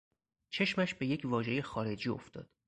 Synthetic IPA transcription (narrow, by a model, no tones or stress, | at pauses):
t͡ʃʰe̞ʃmæʃbe̞je̞cʰvɒːʒe̞je̞xɒːɾe̞d͡ʒiːo̰ft̪ɒ̰ːd̪̥